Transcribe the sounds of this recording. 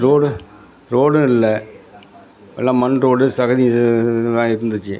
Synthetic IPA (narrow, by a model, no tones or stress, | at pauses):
ɾoːɽɯ | ɾoːɽʊ̃ɪlːɐ | ɛ̰lːãːmɐnɾoːɽɯsɐɣɐðit̪ãːɛɾɯnd̪ɯt͡ʃːɯ